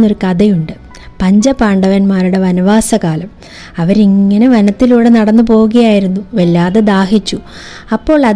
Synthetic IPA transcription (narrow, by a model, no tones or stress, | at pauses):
nːo̞ɾukɐðɐjuɳɖɨ | pɐɲd͡ʑɐpaːɳɖɐʋɐnmaːɾuɽe̞ʋɐnɐʋaːsɐkaːlɐm | ɐʋɐɾiŋːɐne̞ʋɐnɐt̪ːiluːɽe̞nɐɽɐnːɨpo̞ːwuɣɐjaːjiɾunːuʋelːaːðed̪aːhit͡ɕːu | ɐpːo̞ːɭɐð